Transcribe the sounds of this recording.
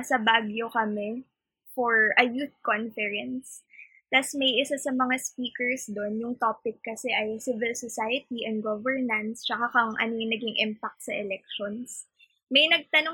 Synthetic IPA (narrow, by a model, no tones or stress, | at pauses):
ɐsɐbaɡjokɐmɛ | fɔɹʔɐjuθ̚konfɛɹɛns | t̪ɐsmɐjʔɪsasɐmɐŋaspiːkɛɹsd̪onjʊŋt̪oːpɪkːɐsɛʔɐjsɪvɪlsosajɐt̪̚iʔɛnd̪̚ɡovɛɹnɐnst͡ʃɐkakɐŋʔɐ̰noŋnɐɡɪŋʔɪmpak̚t̪̚sɐʔɛlɛk̚ʃons | mɐjnɐɡ̚t̪ɐno